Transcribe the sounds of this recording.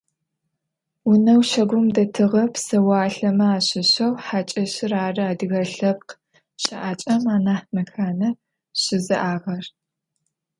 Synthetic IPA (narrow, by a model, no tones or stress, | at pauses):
wʊnɐwʃɐɡʷʊmdɐtʰɨʁɐpsɐwaaːɬɐmɐaːɕɪɕɐwħaːt͡ʃʼɐɕɪraːrɨaːdɨɣɐɬɐp̚q | ɕʼɐʔaːt͡ʃʼɐmaːnaːħnɐxaːnɐ | ɕɪzɨʔaːʁɐr